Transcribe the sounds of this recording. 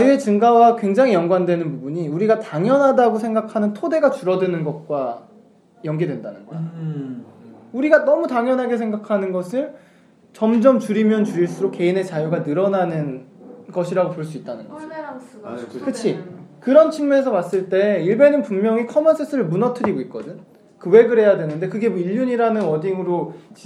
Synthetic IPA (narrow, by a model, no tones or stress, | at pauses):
t͡ɕajue̞t͡ɕɯŋɡawakwe̞ŋd͡ʑaŋijʌŋɡwandwe̞nɯnpubuɲiuɾiɡataŋjʌnɦadaɡosʰe̞ŋɡakʰanɯntʰode̞ɡat͡ɕuɾʌdɯnɯnɡʌt̚k͈wa | jʌŋɡidwe̞ndanɯnɡʌa | uɾiɡanʌmutaŋjʌnɦaɡe̞sʰeŋɡakʰanɯnɡʌsʰɯɭ | t͡ɕʌmd͡ʑʌmt͡ɕuɾimjʌnt͡ɕuɾiɭs͈uɾok͈e̞ine̞t͡ɕajuɡanɯɾʌnanɯnɡʌɕʰiɾaɡopoɭs͈uit͈̚anɯnɡʌ | kɯt͡ɕʰikɯɾʌnt͡ɕʰiŋmue̞s̬ʰʌmas͈ɯɭt͈e̞iɭbe̞nɯnpuŋmjʌŋikʰʌmʌnsʰesʰɯɾɯɭmunʌtʰɯɾiɡoik͈ʌdɯn | kɯwe̞ɡɯɾɦe̞jadwe̞nɯnde̞kɯɡe̞iʎːuɲiɾanɯnwʌdiŋɯɾot͡ɕ